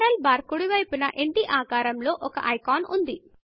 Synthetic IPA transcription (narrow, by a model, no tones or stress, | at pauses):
ɾɐlbaːɾkuɽiʋɐjpunɐʔeɳʈiʔaːkaːɾɐmlo̞ːʔɔkɐ̰ʔɐjkaːnund̪i